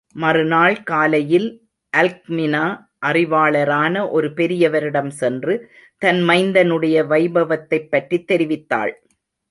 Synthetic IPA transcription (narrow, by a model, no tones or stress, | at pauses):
mɐrɯnaːɭkaːlɐjɪl | ʔɐlk̚mɪnaː | ʔɐrɪʋaːɭɐɾaːnɐʔɔɾɯpɛɾɪjɐʋɐɾɪɽɐmsɛndrɯ | t̪ɐnmɐɪnd̪ɐnɯɽɐjɐʋɐɪbɐʋɐt̪ːɐɪpːɐʈrit̪ːɛɾɪʋɪt̪ːa̰ːɭ